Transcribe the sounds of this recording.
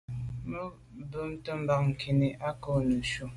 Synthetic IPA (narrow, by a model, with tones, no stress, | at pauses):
mə˦ | bə˦mtə˦m̩˦ba˨k̚ŋ̩˨kʰi˨ni˨ʔa˦ko˦˨nə˨ʃu˨